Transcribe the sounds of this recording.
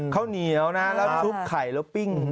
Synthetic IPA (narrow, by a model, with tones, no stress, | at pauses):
kʰa˦˥wni˨˦ə˦wna˦˥lɛː˦˥t͡ɕʰu˦˥p̚kʰa˨˩jlo˦˥pi˥˩ŋ